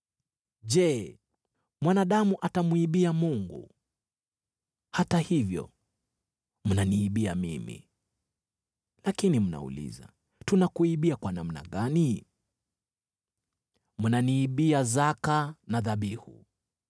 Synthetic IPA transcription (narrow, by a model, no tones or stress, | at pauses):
ʄɛ | mwanaɗamuʔatamuiɓiamuŋɡṵ | hatahivjɔ̰ | m̩naniːɓiamimḭ | lakinim̩na̰ṵlḭza̰ | tunakuiɓiakwanam̩na̰ɠani | m̩naniːɓiazakanaðaɓihṵ